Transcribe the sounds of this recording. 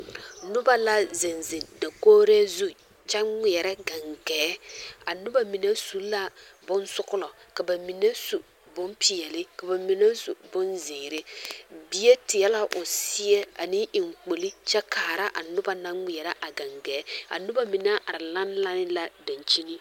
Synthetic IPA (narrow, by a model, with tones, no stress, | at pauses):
nʊ˦ba˦la˦zɪ˨nzɪ˨nda˨koː˦ɾɛ˦zu˦ | t͡ʃɛ˦ŋi˨ɛ˨ɾɛ˦ɡa˨ŋɡɛː˨˦a˨nʊ˦ba˦mi˨na˦su˨la˦bʊ˦nsʊ˦kʊ˦lɔ˨ka˨ba˨mi˨ne˦su˨ | bʊ˦mpi˨jɛ˨lɪ˦ka˨ba˨mi˨na˦sṵ˨bʊ˦nzɪ˨ŋɾɪ˦bi˦je˦tɪ˨jɛ˦la˦ʔʊ˨si˦jɛ˦a˨nɪ˦ʔɪ˨ŋ˨k͡po˨li˦t͡ʃɛ˦kʰaː˨ɾa˦ʔa˨nʊ˦ba˦na˦ŋi˨ɛ˨ɾa˦ʔa˨ɡa˨ŋɡɛː˨˦a̰˨nʊ˦ba˦mi˨na˦ʔa˨ɾɪ˨la˦nla˦nɪ˦la˦da˨nt͡ʃi˦nɪ˦